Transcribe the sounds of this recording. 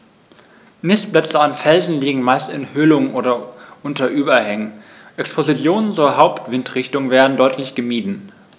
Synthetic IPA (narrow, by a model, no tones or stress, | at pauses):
mɪstb̥lɛt͡səanfɛlzn̩liːɡŋ̩maɪstɪnhʏlʊŋʔoːɾɐʔʊntɐʔyːbɐhɛŋən | ʔɛkspʰozit͡sjoːnənt͡suːɐɦaʊptv̥ɪntʁ̥ɪçtʊŋveːɐdn̩dɔʏtʰlɪçɡ̥əmiːdn̩